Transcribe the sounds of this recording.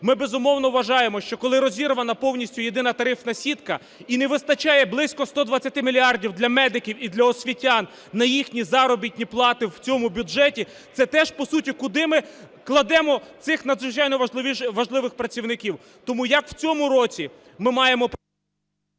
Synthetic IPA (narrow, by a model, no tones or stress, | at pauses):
mɪbezʊmɔwnɔʋʋɐʒɑjemɔʃt͡ʃɔkɔlˠɪɾɔzʲiɾʊʋɐnɐpɔwnʲisʲtʲʊje̞d̪ɪnɐt̪ɐɾɪfnɐsʲit̪kɐ | inɛʋɪst̪ɐt͡ʃɑjɛblˠɪsʲkɔst̪ɔd̪ʋɐt͡sʲːɐt̪ɪmʲilʲiɑrdʲiwd̪lʲɐmɛd̪ɪkʲiwid̪lʲɐɔsʲʋʲitʲɑnː | ɐjixnʲizɑɾɔbʲit̚ʲnʲiplˠɑt̪ɪwt͡sʲɔmʊbʲʊʒɛtʲi | t̪sɛt̪ɛʒ̥pɔsutʲikʊd̪ɪmɪ | klˠɐd̪ɛmɔt̪sɪxnɐd̪zʋɪt͡ʃɑjnɔʋɐʒlˠɪʋʲiʃʋɐʒlˠɪʋɪxpɾɐt͡sʲiwnɪkʲiw | t̪ɔmujɐkw̥t͡sʲɔmʊɾɔt͡sʲi | mɪmɑjemɔ